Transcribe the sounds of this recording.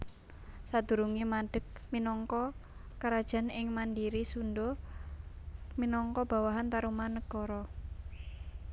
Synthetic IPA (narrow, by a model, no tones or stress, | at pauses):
sad̪̥ṳɾuŋimaɖ̥ə̤k̚minɔŋkɔ | kaɾad̥ʒ̥a̤nɪŋmandiɾisundɔ | minɔŋkɔb̥a̤waɦant̪aɾumanəɡ̥ɔɾɔ